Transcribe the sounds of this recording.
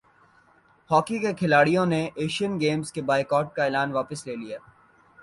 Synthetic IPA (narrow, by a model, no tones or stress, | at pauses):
hɔːkikekʰɪlaːɽijõneeːʃiənɡeːmzkebaːɪkɔːʈ̚kaɪːlaːnʋaːpəsleːlijaː